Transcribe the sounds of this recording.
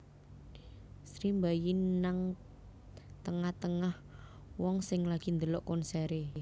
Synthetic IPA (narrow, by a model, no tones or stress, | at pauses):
sɾimbajinaŋ | t̪əŋaht̪əŋah | wɔŋsɪŋlaɡ̥ind̪əlɔʔkɔnsɛɾe